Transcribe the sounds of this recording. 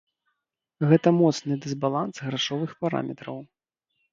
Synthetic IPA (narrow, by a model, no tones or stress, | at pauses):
ɣɛt̪ɐmɔt̪snɨd̪ɨzbalˠansɣɾaʂɔvɨxpaɾa̰mʲɛt̪ɾɐw